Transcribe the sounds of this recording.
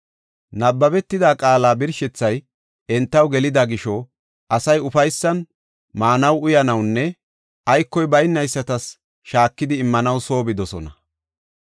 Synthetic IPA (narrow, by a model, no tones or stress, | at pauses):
nɐbːɐbɛt̪ːɪd̪aːkʼaːlaːbɪɾʃɛt͡sːɐj | ɛnt̪ːɐwɡɛlɪd̪ɐɡɪʃɔ | ʔɐsɐjʊfɐjsːɐn | maːnɐwʊjɐnɐwnːɛ | ɐjkːɔjbɐjnːɐjsːɐt̪ɐs | ʃaːkːɪd̪ɪːmːɐnɐwso̞ːbɪd̪ɔsɔ̰nɐ